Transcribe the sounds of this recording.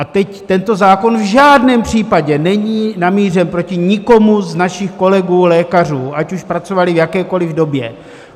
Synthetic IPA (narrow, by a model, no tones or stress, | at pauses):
ʔat̪ɛct̪ɛnt̪o̞zaːko̞nvʒaːdnɛːmpr̝̥iːpaɟɛnɛɲiːnamiːr̝ɛmpɾo̞cɪɲɪko̞muznaʃɪxko̞lɛɡuːlɛːkar̝uːʔacuʃpɾat͡so̞valɪvjakɛːko̞lɪvdo̞bjɛ